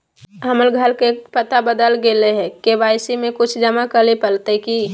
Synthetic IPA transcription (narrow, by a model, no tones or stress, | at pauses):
ɦəməlɡʱəlkepət̪abəd̪əlɡeleɦɛ̃kebaːɪsimẽkʊt͡ʃʰd͡ʒəmakəlepəlt̪eki